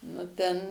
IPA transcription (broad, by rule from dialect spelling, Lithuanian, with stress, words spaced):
nʊ ˈtʲɛn